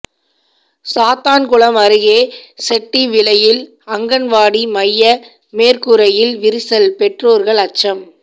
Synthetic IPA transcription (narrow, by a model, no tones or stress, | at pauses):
saːt̪aːnkʊɭɐmɐɾɯɣeːsɛʈːiʋɪɭɐjɪl | ɐŋɡɐnʋaːɽimɐjːɐ | meːɾkɯɾɐjɪlʋɪɾɪsɐlpɛʈroːɾɣɐɭɐt͡ʃːɐm